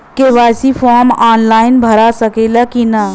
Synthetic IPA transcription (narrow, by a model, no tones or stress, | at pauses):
keʋaːsifʰɔːɾmaːnlaːɪnbʱɐɾasəkelakinɐ